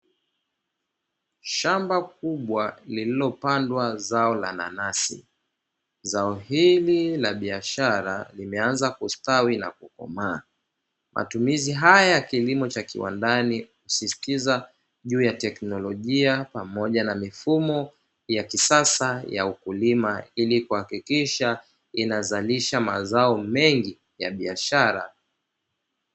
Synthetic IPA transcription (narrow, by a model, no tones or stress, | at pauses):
ʃambakuɓwalililɔpandwazaɔla̰na̰nasḭ | zaɔhililaɓiaʃaɾa̰limɛanzakustawina̰kukɔ̰maː | mʔa̰tumiziɦajjakilimɔt͡ʃakḭwa̰ndanihusistiza | ʄuːjatɛknɔlɔʄiapamɔʄanamifumɔ | jakisasaja̰ukulimailikuhakikiʃa | inazaliʃama̰zaɔmɛŋɡi | ja̰ɓiaʃaɾa̰